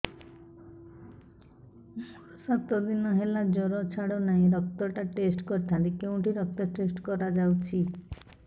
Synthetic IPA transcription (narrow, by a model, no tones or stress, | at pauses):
ɔsat̪ɔd̪inɔɦelad͡ʒɔɾɔt͡ʃʰaɽɔnaĩɾɔk̚t̪ɔʈaʈesʈkɔɾt̪ʰaɾikew̃ʈiɾɔk̚t̪ɔʈesʈkɔɾad͡ʒawt͡ʃʰi